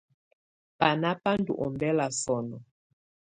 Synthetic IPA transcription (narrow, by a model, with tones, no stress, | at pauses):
pa˨na˦pa˦ndṵ˨ʔɔ˨mbɛ˦la˨sɔ˨nɔ˨